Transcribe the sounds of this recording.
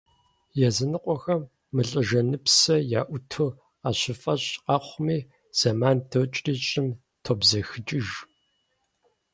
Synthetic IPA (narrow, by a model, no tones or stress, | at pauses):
jɛzɨnɨqʷʼɔxɐmː | ɨɬʼɨʒɐnɨpsɐja̰ːʔʷʊtʰɨ | aːɕɪfɐɕʼqɑːχʷmiː | z̥ɐmaːndʰowt͡ʃʼriːɕʼɪm | tʰobzɐxɨt͡ʃʼɪʒ